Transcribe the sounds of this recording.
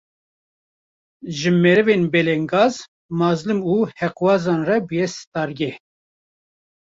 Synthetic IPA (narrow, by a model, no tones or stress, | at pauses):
ʒɨmɛɾɨvenbɛlɛŋɡɑːz | mɑːzlɨmuhɛqwɑːzɑːnrɛbɨjɛsɨ̥t̪ɑːɾɡɛ